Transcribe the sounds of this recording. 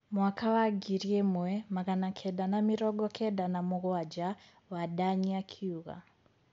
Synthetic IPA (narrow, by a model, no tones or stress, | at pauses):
mwakawaɡiɾiɛmwɛmaɣanakʰɛɗanamiɾɔɡɔkʰɛɗanamuɣɔad͡ʒa | waɗaɲiakʰiuɣa̰